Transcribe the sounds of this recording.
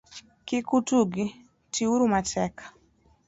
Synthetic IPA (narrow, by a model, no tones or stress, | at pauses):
kikutuɡi | tʰiuɾumatɛkḁ